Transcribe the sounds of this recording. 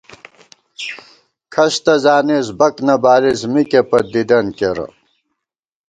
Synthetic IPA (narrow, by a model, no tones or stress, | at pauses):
kʰɐɕt̪ɐzaːnezbɐknɐbaːlizmikepɐd̪id̪ɐnkeɾɐ̰